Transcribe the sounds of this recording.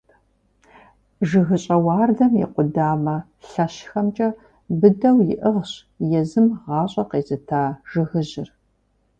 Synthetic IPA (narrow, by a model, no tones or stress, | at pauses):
ʒɨɣɨɕʼɐwɑːrdɐmjḭqʷʊdaːmɐ | ɬɐɕxɐmt͡ʃʼɐ | bɨdɐwjɪʔɨʁɕ | jɛzɨmʁɑːɕʼɐqeːzɨtʰaːʒ̥ɨɣɨʑɪr